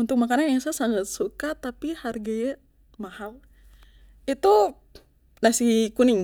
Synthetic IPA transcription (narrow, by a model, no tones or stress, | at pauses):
unt̪ʊk̚makananjaŋsasaŋat̪̚sukat̪apiharɡajɛ | mahal | it̪u | lasikuniŋ